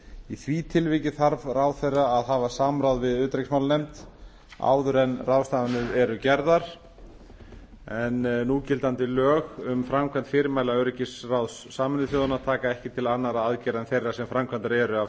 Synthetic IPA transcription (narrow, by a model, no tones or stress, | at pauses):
iθviːt̪ʰɪlvɪcɪθaɾvrawθejrːaːðhavḁsaːmɾawðvɪðʏːt̪ɾejksmawlnejmt̪ | a̰ːwðʏɾɛnrawst̪aːðanʏðɛɾʏcɛɾðaɾ̥ | ɛnnːuːcɪlt̪ant̪ɪlœːɣʏmfɾamkʰvant̪fɪɾɪmajlaœɾɪcɪsrawðsːaːmɪnɪθjoːðʏnat̪ʰaːkaɛhcɪt̪ʰɪlanːaɾaaðcɛːɾaɛnθejrːasɛmfɾamkʰvant̪aɾɛːɾʏa